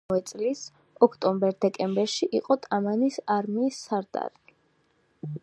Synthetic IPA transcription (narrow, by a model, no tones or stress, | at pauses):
vɛt̪sʼlis | ɔkʰt̪ʼɔmbɛɾsd̪ɛkʼɛmbɛɾʃiʔiqʼɔt̪ʼamanisaɾmiːsːaɾt̪ʼa̰ɾi